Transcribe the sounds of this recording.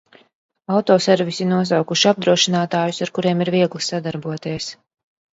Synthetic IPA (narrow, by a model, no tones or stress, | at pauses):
awt̪ɔːsɛɾvisinuɔs̬awkuʃiab̚d̪ɾuɔʃinaːt̪aːjusaɾkuɾiɛmiɾviɛɡlˠisad̪aɾbuɔt̪iɛs